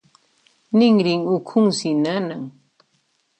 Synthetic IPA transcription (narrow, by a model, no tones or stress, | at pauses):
nɪŋɾɪŋʊkʰʊŋsinanaŋ